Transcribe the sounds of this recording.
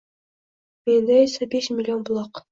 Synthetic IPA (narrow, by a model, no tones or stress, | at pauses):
mend̪æesæbeʃmʲɪlʲːionbʊlˠɑq